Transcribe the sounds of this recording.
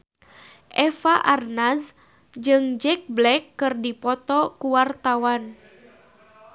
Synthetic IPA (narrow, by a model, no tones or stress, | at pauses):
ʔɛfaʔarnas | d͡ʒɨŋd͡ʒɛk̚blɛkːɨrdipɔt̪ɔkuwart̪awan